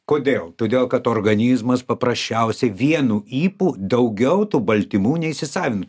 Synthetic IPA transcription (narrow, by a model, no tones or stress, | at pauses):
koːd̪ʲeːlˠt̪oːd̪ʲeːlˠkɐt̪oːrɡɐnʲiːzmɐspɐpɾɐsʲt͡ʃʲɛʊsʲɛʋʲiɛnuːʔiːpuːd̪ɐʊɡʲɛʊt̪uːbɐlʲt̪ʲɪmuːnʲɛɪʃʲsʲɪsɑːʋʲɪnʊ